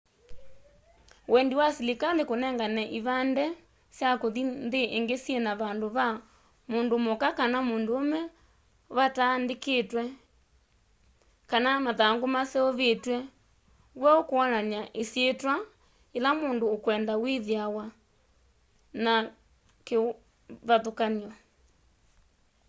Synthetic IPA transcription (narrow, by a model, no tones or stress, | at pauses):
wɛndiwasilikalekonɛŋɡanɛʔiβandɛ | sjakoðinðeʔeŋɡesjenaβaːndoβa | moːndomokakanamoːndoːmɛ | βataːndeketwɛ | kanamaðaŋɡomaseɔβetwɛ | ɣwaokoɔnaɲaʔesjetwa | elamoːndoːkwɛːndawiðiawa | na | ke | βaðokaniɔ